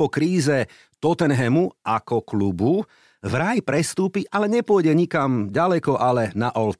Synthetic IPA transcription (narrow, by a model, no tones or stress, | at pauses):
ɔkɾiːzɛ | t̪ɔt̪ɛnɦɛmuʔakɔklubu | vɾajpɾɛst̪uːpiʔalɛɲɛpʊɔjɟɛɲikamɟalɛkɔʔalɛnaʔɔlt̪